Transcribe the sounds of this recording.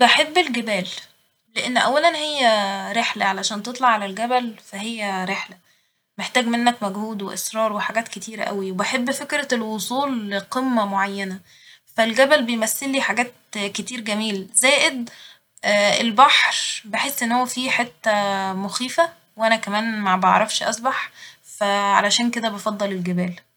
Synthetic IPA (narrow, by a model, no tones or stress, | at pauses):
beħebːelɡebæːlː | eʔenːʔæ̰wːælænhejːæɾeħlæʕalæʃæːnt̪et̪ˤlɑʕalælɡæbælfæhejːæɾeħlæ | meħt̪æːɡmenːækmæɡhuːd̪weʔesɾˤɑːɾˤweħaɡæːt̪ket̪ʰiːɾæ̰ʔæ̰wiwebeħebːfekɾæelwosˤuːlːeqemːæmoʕajːænæ | fælɡæbælbejmæsːelːiːħaɡæːt̪̚ket̪iːɾɡæmiːlzæːʔed̪ | elbɑħɾbeħesːʔenːhowːæfiːħet̪ːæmoxiːfæ | weʔænækæmæːnmæbʔɑ̰ʕɾˤɑfʃʔæ̰sˤbɑħfæʕa̰læʃæːnked̪æbɑfɑd̪ˤːɑlelɡæbæːl